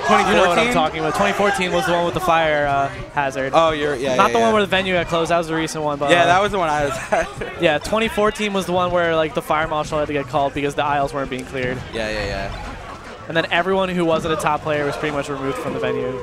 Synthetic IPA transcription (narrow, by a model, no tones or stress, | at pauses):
tʰwɛ̃ninowʌ̃ɾaɪ̃tʰɔkɪ̃ŋwʌtʰwɛ̃ifɔɹtʰĩnwʌzðəwʌ̃nwəðəfaɪə˞ʌ | hæzə˞d̥̚oʊjə˞jænət̪ðəwʌ̃nwə˞ðɨvɛ̃njʉɡɨt̚kʰl̥oʊzðət̚wʌzðɨɹisɨ̃nʔwʌ̃nbʌtæðət̚wʌzðəwʌ̃naɪwʌzjætʰw̥ɛ̃ɾ̃ifɔɹtʰĩnwʌzðəwʌ̃nwə˞laɪk̚ðəfaɪə˞mɑʃl̩ˠhæd̚tʰɨɡɛt̚kʰɔlˠd̚bɨkʌzðiaɪl̩ˠzwɜ̃˞nb̥iɪ̃ŋkʰl̥ɪɹd̥jæ̰jæ̰jæ̰ | ɨ̃nðɨ̃ñɛvɹiwʌ̃nhuwʌzɨ̃ntɨtʰɑpʰl̥eɪə˞wʌz̥pʰɹ̥ɪɾimʌt͡ʃɹɨmʉvd̥fɹʌ̃mðəvɛ̃njʉ